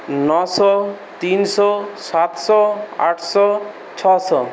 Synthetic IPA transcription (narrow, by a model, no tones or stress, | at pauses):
nɔsɔ | t̪insɔsat̪sɔa̰ʈʰsɔ | t͡ʃʰɔsɔ